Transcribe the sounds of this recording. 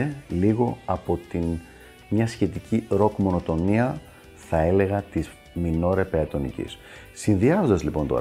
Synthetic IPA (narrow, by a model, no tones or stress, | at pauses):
eliɣo̞ɐpo̞t̪in | mɲɐsçe̞t̪iciɾo̞kmo̞no̞t̪o̞niɐ | θɐe̞le̞ɣɐt̪iz | mino̞ɾe̞pe̞ɐt̪o̞nḭcḭs | sinðiɐzond̪ɐzlipo̞nt̪o̞̰